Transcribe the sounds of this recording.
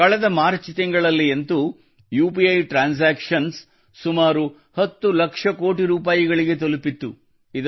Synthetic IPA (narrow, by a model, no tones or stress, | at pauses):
kɐɭɛd̪ɐmaːɾt͡ʃit̪ɛŋɡɐɭɐlːient̪u | juːpiɐjʈɾaːns̬aːkʂɐns | sumaːɾu | hɐt̪ːulɐkʂɐko̞ːʈiɾuːp̬aːjiɡɐɭiɡe̞t̪̬olupit̪ːu | id̪